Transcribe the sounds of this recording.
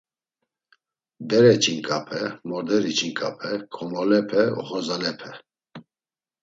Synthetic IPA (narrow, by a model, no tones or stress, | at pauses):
b̪ɛɾɛt͡ʃʼinkʼapʰɛmɔɾd̪ɛɾit͡ʃʰʼinkʼapʰɛkʰɔmɔlɛpʰɛɔ̰χɔzalɛpʰɛ